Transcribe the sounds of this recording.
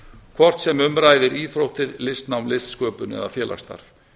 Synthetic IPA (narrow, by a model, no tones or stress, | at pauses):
kʰvɔr̥t̪sɛmʏmɾaːjðɪɾiːθɾowht̪ɪɾlɪst̪nawmlɪst̪skœːpʏnɛ̰ðafjɛːlʔa̰xst̪a̰ɾ̥